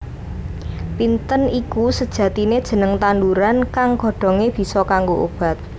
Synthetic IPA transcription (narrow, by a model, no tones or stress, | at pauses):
pint̪ənikusəd̥ʒ̥ä̤t̪ined̥ʒ̥ə̤nəŋt̪anduɾankaŋɡɔ̤ɖ̥ɔ̤ŋeb̥i̤sɔkaŋɡoʔob̥a̤t̪̚